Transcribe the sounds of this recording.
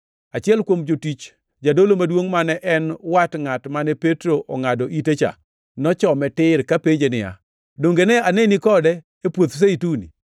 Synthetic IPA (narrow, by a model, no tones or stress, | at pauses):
at͡ʃɪɛlkwomd͡ʒotit͡ʃ | d͡ʒadolomadwoŋmanɛʔɛnwatŋatmanɛpetɾoʔɔŋadɔʔitet͡ʃa̰ | nɔt͡ʃɔmɛtɪɾkapeɲd͡ʒenɪa̰ | doŋɡenɛanenikɔdɛ | epwot̪s̬eitunḭ